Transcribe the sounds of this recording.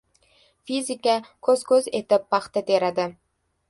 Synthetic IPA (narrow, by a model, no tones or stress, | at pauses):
fizɪkakʰɵzkʰɵze̞t̪ɪpːɑχt̪at̪ʰe̞ɾad̪ɪ